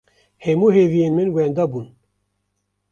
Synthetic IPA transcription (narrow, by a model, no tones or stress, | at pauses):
hɛmuːɦeːvijeːnmɨnwɛnd̪ɑbuːn